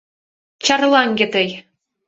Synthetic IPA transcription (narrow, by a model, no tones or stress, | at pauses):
t͡ɕɑrlˠɑŋɡʲĕt̪ɘ̆j